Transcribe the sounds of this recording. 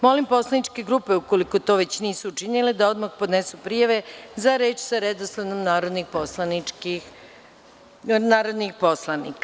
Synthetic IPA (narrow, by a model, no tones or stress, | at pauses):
mo̞limpo̞slˠanit͡ʃke̞ɡɾuːpe̞uko̞liko̞t̪o̞ːʋe̞t͡ɕniːsuut͡ʂiniled̪ao̞d̪maxpo̞d̪nesupɾijaʋe̞zaɾe̞ːt͡ʃsaɾed̪oslanomnaːɾod̪nixposlaniki | naːɾo̞d̪nixpo̞slˠanḭka